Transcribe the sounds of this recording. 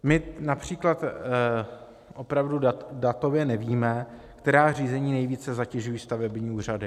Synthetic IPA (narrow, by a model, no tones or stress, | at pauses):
mɪnapr̝̥iːklat̪ | ʔo̞pɾavdudat̪o̞vjɛnɛviːmɛ | kt̪ɛɾaːr̝iːzɛɲiːnɛjviːt͡sɛzacɛʒujiːst̪avɛbɲiːuːr̝adɪ